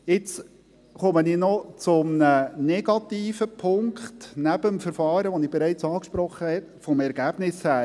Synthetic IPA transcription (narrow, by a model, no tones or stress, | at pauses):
ɪt͡s | χɔməninɔt͡sʊmnənɛɡɑtiːfəpʰʊŋkχtnæb̥əmfəɾfɑːɾəʋɔnɪb̥ɛɾæɪt͡sɑːkʃpɾɔχːəhɛt̪fɔmɛɾɡ̥æb̥nɪshæː